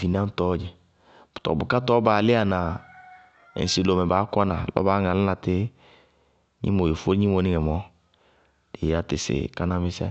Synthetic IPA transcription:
vi˨n˦ã˦tɔ˦d͡ʒɪ˨ | b̥ʊ̥˨tɔ̰˨bʊ˨ka˦tɔː˦baː˨lɪ˦a˨nã˨ | ɛ̰˨si˨lo˨mɛ˨ba˨˦ka˦nã˨lɔ̰˦baː˨˦ŋã˨lɪ˦na˨tɪ˦ | ɲḭ˦mo˨je˨fo˦ɲi˦mo˨˦nɪ˦ŋɛ˨mɔ˨˦ | de˨a˨tɪ̰˨sɪ̰˨ka˦na˦mɪ˦sɛ̰˦

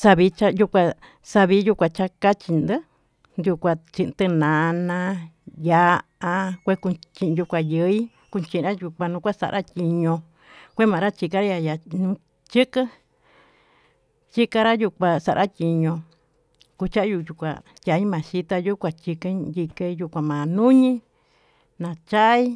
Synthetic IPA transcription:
sa˧βi˧˦t͡ʃa˧ju˦˧kʷa˧ | sa˧βi˧˦ju˧kʷã˧˨t͡ʃa˧ka˦t͡ʃi˧nd̪ɨ˦ | nd̪u˧kʷa˧t͡ʃĩ˧ʔnt̪ɨ˧nã˨˧nã˧ja˧a˧kʷe˦ku˧t͡ʃĩ˧ʔju˧kʷa˨jɨ˧˦i˦ | ku˧t͡ʃĩ˧ʔɾa˦ju˧kʷa˧nũ˧kʷa˦sa̰˧ʔɾʔa˦tʲi˧ɲõ˧ | kʷe˦mã˨˧ɾa˦t͡ʃi˧ka˧ɾa˦ja˧ja˨nũ˧ | t͡ʃɨ˦kɨ˦ | t͡ʃi˦ka˧ɾa˦ju˧kʷa˨sa˧˨ɾʔa˦tʲi˧ɲõ˧ | ku˧t͡ʃa˦ʔju˧˨ju˧kʷa̰˨ | tʲa˧i˦mãː˨ʃi˦t̪a˧ju˦kʷa˨t͡ʃi˧kɨ˦d̪ʲi˧ke˧˦ju˧˨kʷã˨mã˨nũ˦ɲĩ˦ | nã˨t͡ʃa˦i˦

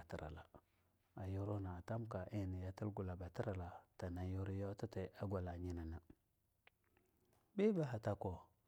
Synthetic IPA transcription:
a˨ti˨ɾa̰˨la˨ | a˨jo˦ɾo˦na˨a˨ta˦m˦ka˨ʔi˦˨ni˨ja˨ti˦lɡu˨la˨ba˨ti˦ɾa˨la˨ta˨na˨jo˦ɾi˦jo˦ta˦te˨a˦ɡʷa˨la˨ɲi˦na˨na˨ | bi˦ba˦ɦa˨ta˦ko˨

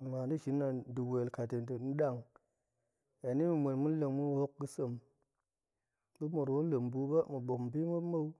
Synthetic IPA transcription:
ŋa˨ndi˦ʃi˨˦nːa˨du˨we˨lka˨te˨ntə˨n̩˦ɗa˦˨ŋ | ja˨ni˦mu˨mʷe˨nmu˦n˦lə˨ŋmu˦ho˦k̚ɡɨ˦sə˨m | ɗu˦mo˨ɾwo˦lə˨mbu˨˦ba˦mu˨ɓo˨mbi˦mə˦ma˦w

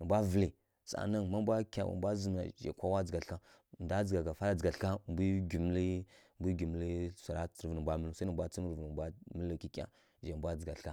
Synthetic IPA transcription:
nə˨mbʷa˦və˨li˨ | t͡sa̰˨na˦nma˦bʷa˦kʲa̰˨wa̰˨bʷa˦zə˨m˨na̰˨ʒḛ˨kʷa˦wa˦d͡zə˨ɡa˨ɬka˦˨ | nda˦d͡zə˨ɡa˨ɡa˨fa˦ɾa˦d͡zə˨ɡa˨ɬka˦bi˦ɡi˨m˦li˦mbi˦ɡi˨m˦li˦sʷa˨ɾa˦t͡sɾvni˨bʷa˦mə˦lu˦sa˦nə˨mbʷa˦t͡sə˦m˦ɾvn˨bʷa˦mi˦lu˦ki˦kʲʼa̰˨ | d͡ʒe˨bʷa˦d͡zə˨ɡa˨ɬka˦

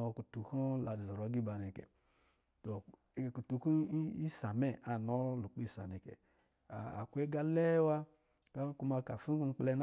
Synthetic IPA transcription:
ɔ˨ku˨tu˨kɔ˦la˨di˨zɔ˨ɾɔ˨˦ɡi˦ba˨nɛ˨kɛ̰˨ | to˨ | ku˨tu˧ku˦i˦sa˨mɛ˦˨a˨nɔ˦lu˨k͡pi˦˨sa̰˨nɛ˨kɛ̰˨ | a̰˨ku˦e˦ɡa˦lɛ˦wa˦ | ka˦ku˧ma˧ka˨fi˦ku˦˧ŋ͡m̩˦k͡plɛ˧n

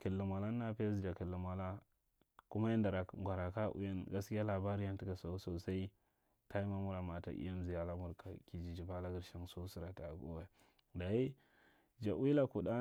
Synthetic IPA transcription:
ki˨lːi˨ma˨la˦nː˦a˦pa˦zd͡ʒa˨ki˨lːu˨ma˨la˦ | ku˦ma˦ja˦nda˨ɾa˨ɡʷa˨ɾa˨ka˦ʔṵ˦ja˦nɡa˦ski˦ja˦la˨ba˦ɾi˦ja˦n˦ti˦ka˨so˨˦so˨sa˦i˦ | ta˦i˦ma˦mu˦ɾa˨ma˨ta̰˨ʔḭ˦ja˦m˦zi˨ja˨la˦mu˨ɾka˨ki˨d͡ʒi˨d͡ʒi˨ba˦la˦ɡi˦ɾʃa˦ŋso˦si˦ɾa˨ta˨ɡṵ˦wa˦ | da˨i˦ | d͡ʒa˨wi˦la˦ku˨da˦

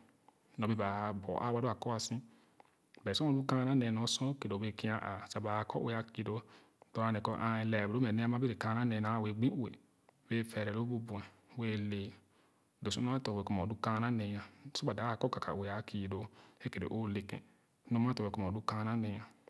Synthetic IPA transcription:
nɔ˨bi˧˦ba˨bɔ˨ʔa̰˦wa˦do˦a˨kɔ˦a˧sĩ˦ | bɛ˨so˦ã˨u˦kã˦˧˦a˦ne˨nɔ˨˧sɔ̃˦ke˨do˨be˧˨ki˧˦a˧˦ʔa˨sa˨ba˨˧˨kɔ̰˦ʔe˨a˧ki˨˧˨do˧ | dɔ˧˨a˧ne˨kɔ˧ʔa˧˨˧lɛ˨bo˦mɛ˨ne˦˧mã˦bi˦ɾe˨kã˧˨˦na˦ne˧˨na˨we˨ɡ͡bĩ˦u˨ḛ˨ | we˦fɛ˨ɾɛ˨lo˦bu˧bũ˨ɛ˨we˦˧le˨ | do˨su˦n˦a˦tɔ˨we˨ku˦m˨ɔ˨du˦kã˧˦na˦ne˧˨jã˨so˦ba˨da˨˦a˨˧˨kɔ˦ka˨ka̰˨e˨a˨ki˨do˨e˦ke˨dḛ˨ʔo˦le˨kɛ̰̃˨˦ | no˦mã˦tɔ˨e˨ku˦mɔ̃˨du˦kã˧˦˧na˦ne˧jã˨

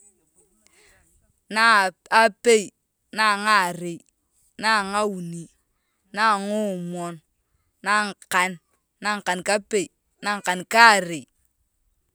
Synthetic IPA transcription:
na˦˨ | a˦pe˦i˨ | na˦˨ŋa˦˨ɾe˨j | na˦˨ŋa˦wu˨ni˨ | na˦˨ŋo˦˨mɔ˨n | na˦ŋ˨ka˨n | na˦ŋ˨ka˨nka˦pe˦˨i˨ | na˦ŋ˨ka˨nka˦˨ɾe˨

